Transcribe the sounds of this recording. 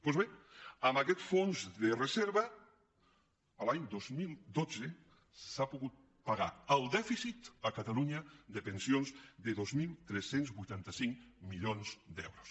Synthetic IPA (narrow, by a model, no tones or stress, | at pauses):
pozβeamakɛt̪fonzðereseɾβɐ | alaɲd̪ozmilˠd̪ot͡se | sapoɣut̪̚ | paɣaɾəlˠd̪ɛfisit̪akat̪aluɲaðepensjonzðeðozmilˠt̪ɾesenzβujt̪ant̪asiŋmiʎonzd̪ɛ̰wɾo̥s